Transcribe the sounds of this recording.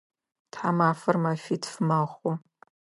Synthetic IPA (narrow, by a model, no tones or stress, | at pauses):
tħamaːfɨrmafitʰfmaχʷu